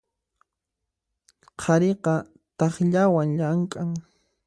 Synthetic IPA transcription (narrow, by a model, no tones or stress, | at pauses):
qʰɑɾeqɑ | t̪ɑχʎawaŋʎaŋkʼaŋ